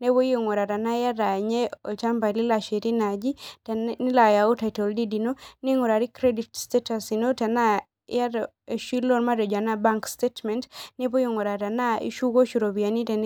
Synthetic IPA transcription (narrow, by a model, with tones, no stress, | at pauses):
ne˦bo˦jŋo˨ɾa˨ɾa˨na˦ja˦ɾa˨ɲe˦o˨t͡ʃa˦mba˨li˦la˨ʃe˨ɾi˦na˨d͡ʒi˦ | i˦la˨ja˨u˦ta˨jtɔ˨ldi˦di˨no˦ni˦ŋo˨ɾa˨ɾi˦kɾe˦di˨tste˦ta˨si˨no˦ta˨na˦ | ja˦ɾ | ʃi˦lo˦nma˦ɾɔ˨d͡ʒa˨na˦ba˦ŋkstetmɛ˨ntnɛ˦bo˦jo˦˨ŋo˨ɾa˨ɾa˨na˦ḭ˦ʃu˦ɡo˦ʃu˨ɾo˨bi˨a˨ni˦tɛ˨n˦